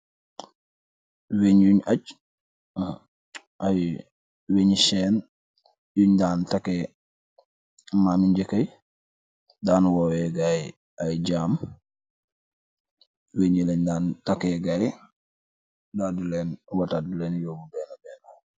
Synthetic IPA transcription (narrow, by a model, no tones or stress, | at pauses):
weɲjuɲaɟ | ʔaj | weɲiʃɛːn | juɲdaːntake | mamiɲɟekəj | daːnwawɛɡaj | ajɟaːm | weɲileɲdaːntakeːɡaj | dadulɛːnwataduleːnjoːbubɛːnabɛːna